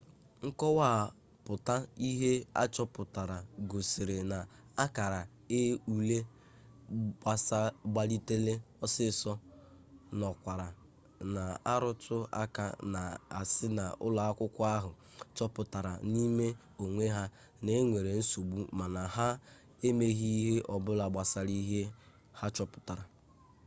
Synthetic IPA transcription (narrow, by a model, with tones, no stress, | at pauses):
ŋ̩˦kɔ˦wa˦˨ | pʊ˨ta˦i˦ɦe˦a̰˦t͡ʃɔ˦pʊ˨ta˨ɾa˨ɡo˨si˨ɾe˨na˨ | a˦ka˨ɾa˨ | e˦u˨le˦ | a˦sa˦ɡ͡ba˦li˦te˦le˦ɔ˦sɪ˦sɔ˦ | nɔ˨kʷa˨ɾa˨ | na˨a˦ɾʊ˦tʊ˦a̰˦ka̰˦na˨a̰˨sɪ˦na˨ʊ̰˦la˨a˦kʷʊ˦kʷʊ˦a˦ɦʊ˨ | t͡ʃɔ˦pʊ˨ta˨ɾa˨ni˦me˦ | o˨ŋʷe˦ɦa˦ | ne˦ŋʷe˨ɾe˨n̩˦so˨ɡ͡bu˦ma˨na˨ha˦ | e˦me˦ɦi˦ɦe˦ʔɔ˨bʊ˦la˨ɡ͡ba˨sa˦ɾi˦ɦe˦ | ha˦t͡ʃɔ˦pʊ̥˨ta˨ɾa˨